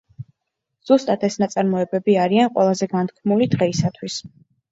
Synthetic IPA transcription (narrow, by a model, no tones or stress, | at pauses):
z̥ust̪ʼat̪ʰɛsnat̪sʼaɾmɔɛbɛbiaɾianqʼwɛlˠazɛɡant̪ʰkʰmulid̪ʁɛisat̪ʰwis